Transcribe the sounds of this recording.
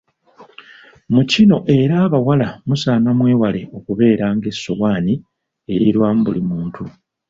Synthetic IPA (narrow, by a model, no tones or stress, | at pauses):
mucino̞ʔe̞ɾaːβawalamusaːnamwe̞ːwale̞o̞kuβe̞ːɾaːŋɡe̞sːo̰waːni | eɾiɾwaːmubulimuːntʰu